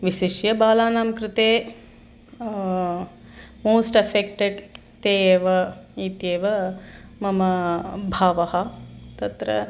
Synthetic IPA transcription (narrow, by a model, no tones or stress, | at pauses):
ʋiʃiʃjɐbaːlaːnaːmkɾɪt̪eː | moːsʈɐfek̚ʈeɖ | t̪eːeːʋɐiːt̪jeːʋɐmɐmɐbʱaːʋɐɦɐt̪ɐt̪ɾɐ̰